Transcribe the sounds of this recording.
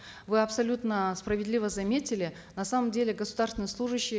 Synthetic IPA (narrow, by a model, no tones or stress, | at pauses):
vɨɐpsɐlʲut̪nəspɾəvʲɪd̪lʲivəzɐmʲetʲɪlʲɪ | nɐsaməmdʲelʲɪɡəsʊd̪arsʲɪnəjsˠuʐɨɕːɪj